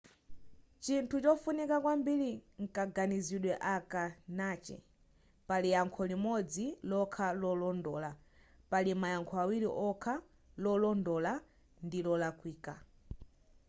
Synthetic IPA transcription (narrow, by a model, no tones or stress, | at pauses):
t͡ʃintʰut͡ʃɔfunikakwambiɾiŋ̩kaɡaniziɗwɛʔakanaːt͡ʃɛ̰ | palijaŋkʰɔlimɔd͡zilɔkʰalɔlɔndɔːla | palimajaŋkʰɔawiɾiʔɔkʰa | lɔlɔndɔla | ndilɔlakwiːka